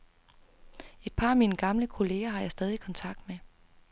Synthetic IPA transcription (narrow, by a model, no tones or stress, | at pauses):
e̝d̥̚pʰɑ̈ːæmiːnəɡ̥ɑ̈mləkʰo̝le̝ːɐɦɑ̈jɑ̈ɪsd̥ɛːð̞ˠikʰɒ̽nt͡sʰɑ̈ɡ̥̚d̥me